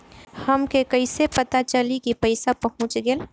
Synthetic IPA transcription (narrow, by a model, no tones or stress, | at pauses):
hɐmkekɐɪsepɐt̪at͡ʃəlikipɐɪsapəɦʊ̃t͡ʃɡel